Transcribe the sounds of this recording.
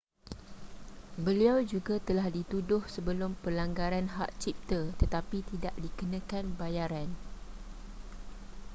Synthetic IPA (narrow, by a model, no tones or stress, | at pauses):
bəliawd͡ʒuɡat̪əlahdit̪udʊhsəbəlʊmpəlaŋɡaɾanɦaʔt͡ʃip̚t̪ət̪ət̪apit̪idaʔdikənãkanbajaɾan